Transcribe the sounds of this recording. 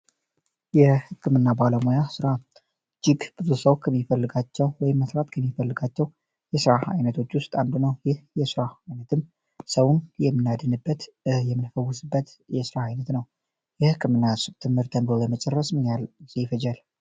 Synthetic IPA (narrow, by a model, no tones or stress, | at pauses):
jɛhɨkʰːɨmɨnːabaləmojasɨɾa | d͡ʒɪɡkʼɨzusəwkʰəmːifəlːɨɡat͡ʃːɛwwɔjɪmːəsɾat̪kʰəmːifəlːɨɡat͡ʃːɛw | jɛsɨɾaa̰jnət̪ʰo̞t͡ʃːwʊst̪ʼand̪unəwjɪhjɛsɨɾaajnət̪ʰɨm | səwunjɛmːɨnad̪ɨnɨbːət̪ɨjɛmːɨnfəwːʊsɨbːət̪jɛsɨɾaajnət̪nəw | jɛhɨkːɨmɨnːasɨt̪ʰɨmhɨɾt̪ʰənbəjɛmət͡ʃʼɛrːəsmɨɲalzifəd͡ʒal